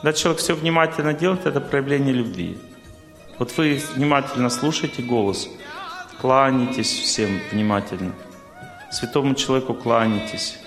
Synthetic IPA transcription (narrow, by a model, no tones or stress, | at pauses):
d̪at͡ɕɪlˠɐvʲekfsʲovnʲɪmatʲɪlʲnədʲelˠəjɪt̪ɛt̪əpɾəjɪvlʲenʲɪjəlʲʊbvʲḭ | vo̞t̪vɨvnʲɪmatʲɪlʲnəslˠuʂəjtʲɪɡo̞lˠəs | klˠanʲɪtʲɪsʲfsʲemvnʲɪmatʲɪlʲnə | sʲvʲɪt̪o̞mʊt͡ɕɪlˠɐvʲekʊklˠanʲɪtʲɪsʲ